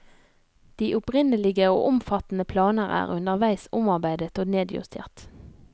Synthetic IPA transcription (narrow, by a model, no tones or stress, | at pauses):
d̪̥iːʔʊpʁɪnəlɪɡəo̰ːʔʊmfɑt̪n̩əpʰlɑːnəʁæ̰ːʁʉnd̪əʁʋæɪsʊmɑʁbæɪd̪ət̪oːneːd̪jʉ̰st̪ʰḛːʁt̪